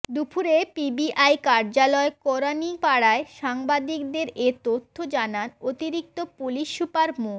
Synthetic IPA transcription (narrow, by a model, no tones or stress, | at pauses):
d̪upʰuɾepibiʔajkaɾd͡ʑalɔekɔɾanipaɽaeʃaŋbad̪ikd̪eɾet̪ot̪ʰːod͡ʑananot̪iɾik̚t̪opuliʃːupaɾmo